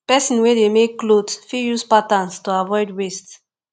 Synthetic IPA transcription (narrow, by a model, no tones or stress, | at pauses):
pɛsĩnwedemekːlodsfijuspatãnstuavɔɪdwests